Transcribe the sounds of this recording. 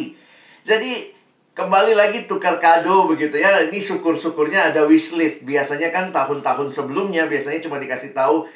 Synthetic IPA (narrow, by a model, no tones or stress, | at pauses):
d͡ʒadi | kəmbalilaɡit̪ukarkadobəɡit̪ujainisukʊrsukʊrɲaːdawit͡ʃlɪst̪̚biasaɲakant̪aɦʊnt̪aɦʊnsəbəlʊmɲabiasaɲat͡ʃumadikasɪt̪au